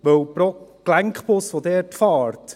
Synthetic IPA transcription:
ʋœwpɾɔklæŋkχpʊsʋod̪ɛːɾtfɑːɾt

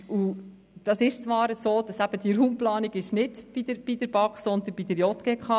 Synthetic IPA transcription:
u | d̥ɑsɪʃt͡sʋɑːɾəsoːd̥ɑsæb̥əd̥iəɾɦumplɑːniɡɪʃnɪdb̥idəɾb̥idəɾb̥ɑksɔnd̪ənbid̥əɾjɔt̪ɡ̥ɛkχɑ

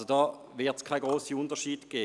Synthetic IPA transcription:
sodɑː | vɪɐtskʰaɪɡʁoːsiʊntəɐʃiːdɡ̥eː

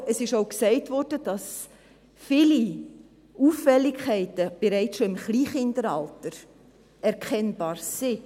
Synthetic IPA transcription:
əsɪʃoʊksɛɪtvɔɾd̥əd̥ɑs | fɪli | ʔuːfɛlːɪkʰɛɪtəb̥eɾɛɪt͡sʃoɪmχliːχɪndəɾɑ̰ltəɾ | ɛɾkʰɛnb̥ɑːɾsɪ

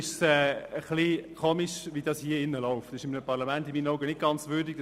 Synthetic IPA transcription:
ɪʃsɛːəχlikʰoːmiʃʋiːdɑːshiːəɪnːəlɔʊftɪʃɪmːəpʰɑʁlamɛntɪmiːnɔɡənɪt̚ɡ̥ɑnt͡svʏɾdiɡ̥

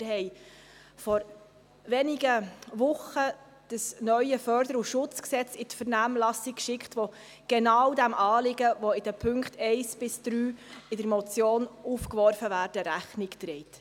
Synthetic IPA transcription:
ɾhɛɪ | fɔɾ | ʋɛnɪɡəʋʊχə | d̥əsnœʏəfœɾd̥əɾuʃʊt͡sksɛt͡sɪtfəɾnæːmlɑsɪkkʃɪkχtʋɔ | ɡ̥enɑːwdæmʔɑːlɪɡəʋɔɪd̥əpʰɵŋktɛɪsb̥ɪsd̥ɾyːɪdəɾmɔt͡sjoːnufkʋɔrfəvæːɾdəɾæχnɪktɾɛɪt

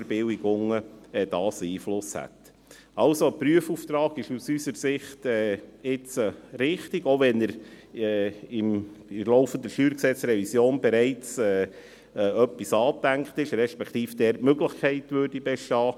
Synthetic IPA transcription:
ɾbɪwiɡʊŋəɛd̥̪ɑːsiːflʊshæ̰t̪ | ɑlsopɾyəfuːft̪ɾɑːɡɪʃusysəɾsɪχt̪ɛːɪt͡səɾɪχt̪iɡoʋɛnəɾɛɪmɪlɔʊfənd̪əɾʃyːɾksɛt͡sɾɛvisjoːnbɛɾɛɪt͡sɛː | œpːisɑːt̪æŋkχt̪ɪʃɾɛʃpɛkʰt̪iːfd̥̪ɛːɾtmøɡləχkʰɛɪtʋøːrdibɛʃtɑː

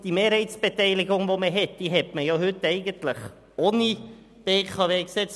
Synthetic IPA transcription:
d̥imeːɾhɛɪt͡sb̥etɛɪlɪɡʊŋʋoməɦɛt̚d̥iːɦɛtməjɑɦʏtːɛɪɡəntləχ | oːni | b̥eːkʰɑʋeːksɛt͡s

